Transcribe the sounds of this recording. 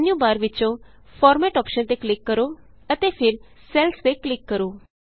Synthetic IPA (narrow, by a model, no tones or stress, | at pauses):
njũbaːɾʋɪt͡ʃõfʰɔːɾmɛːʈɔːpʃənt̪eklɪkːəɾo | ət̪epʰɪɾsɛlst̪eklɪkːəɾoː